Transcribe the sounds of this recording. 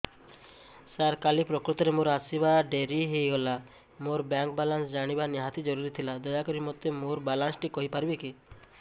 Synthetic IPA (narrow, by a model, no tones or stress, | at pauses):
saɾkalipɾɔkɾut̪ɔɾemoɾasibaɖeɾiɦejɡɔla | moɾbaŋkbalansd͡ʒaɽ̃ibaniɦat̪id͡ʒɔɾuɾit̪ʰilad̪ɔjakɔɾimɔt̪ːemoɾbalansʈikɔɦipaɾibeki